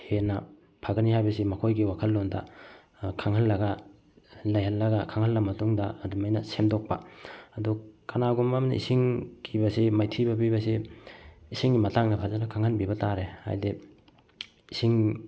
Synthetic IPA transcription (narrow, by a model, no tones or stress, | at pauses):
henɐ | pʰaɡɐniɦajbɐsimɐkʰojɡiwakʰɐlːondɐ̰ | kʰaŋhɐlːɐɡɐ | lɐjhɐlːɐɡɐkʰaŋhɐlːɐmɐtuŋdɐːdumajnɐsemdok̚pɐ̰ɐdukanaɡumamnḭḭsiŋkʰibɐsimajtʰibɐbibɐsi | isiŋɡimɐtaŋnɐpʰazanɐkʰaŋhɐnbibɐtaɾeha̰jde | isiŋ